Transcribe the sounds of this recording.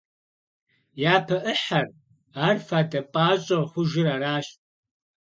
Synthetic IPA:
jaːpʰɐʔəħar | aːrfaːdɐpʼaːɕʼɐχʷʊʒɪraːɾaːʃʼ

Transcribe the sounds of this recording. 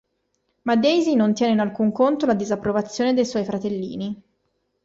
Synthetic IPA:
mad̪ejzinont̪jɛːneinalkuŋkont̪olad̪izapːɾovat̪sːjoːned̪ejswɔjfɾat̪elːḭːni

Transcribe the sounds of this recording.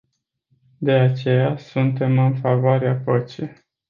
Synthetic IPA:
d̪e̞at͡ʃe̞jasunt̪e̞mɨnfavoaɾeapət͡ʃi

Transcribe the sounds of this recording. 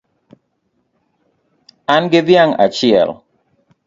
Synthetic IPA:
anɡɪðjaŋat͡ʃɪɛ̰l

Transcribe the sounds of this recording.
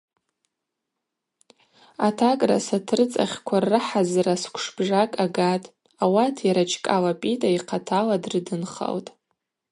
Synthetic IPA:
atʰakʼrasatʰɨrɨt͡sʼa̰χʲkʷʰarɨħazraskʷʰʂb̥ʐakʼaɡatʼ | awatʰjaɾat͡ʃʰkʼalapʼitʼaiqʰatʰaladrɨdɨnχa̰ltʼ

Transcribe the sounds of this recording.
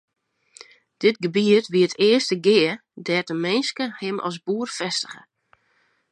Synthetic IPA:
d̥ɪt̚ɡəbiətʋiətʰɪəstəɡɪərdɛtəmɪnskəhɪmʔɔ̰s̬buərfɛstə̥ɣə

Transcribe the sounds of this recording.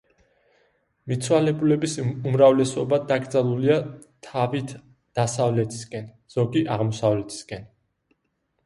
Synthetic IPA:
mit̪sʰwalɛbulɛbisumɾavlɛsɔbad̪aɡɾd̪zalˠuliat̪ʰavit̪ʰ | d̪̥asavlɛt̪ʰi̥skʼɛn | z̥ɔɡiʔaʁmɔsavlɛt̪ʰi̥skʼɛn

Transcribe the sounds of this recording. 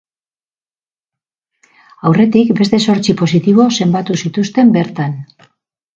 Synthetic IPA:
awre̞t̪ikbe̞st̪e̞so̞ɾt͡sipo̞sit̪iβ̞o̞se̞mbat̪usit̪ust̪e̞mbe̞ɾt̪an

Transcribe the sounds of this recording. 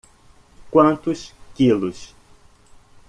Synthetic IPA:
kwɐ̃nt̪ʊskilʊs

